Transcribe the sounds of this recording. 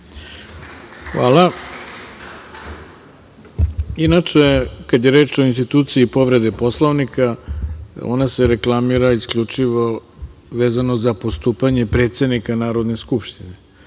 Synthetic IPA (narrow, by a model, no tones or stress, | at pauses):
xʋaːlˠa | inat͡ʃe̞kad̪jeɾe̞ːt͡ʃo̞inst̪it̪uːt̪siːpo̞ʋɾe̞d̪epo̞slˠoʋnikʰa | o̰nase̞ɾe̞klˠamiɾaiskʎut͡ʂiʋo̞ʋeːzanozapost̪uːpaɲe̞pɾet̪se̞d̪nikanaːɾo̞d̪neskupʃt̪ine